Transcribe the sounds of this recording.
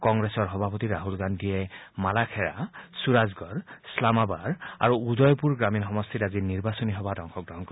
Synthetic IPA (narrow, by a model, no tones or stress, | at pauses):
kɔŋɡɹesɔɹɦɔbʱapɔtiɹaɦulɡandijɛmalakʰɛɹa̰suɹazɡɔɹslamabaɹa̰ɹuudɔjpuɹɡɹaminxɔmɔst̪ʰitaziniɹbasɔniɦɔbadɔŋxʰɔk̚dɔɦɔŋk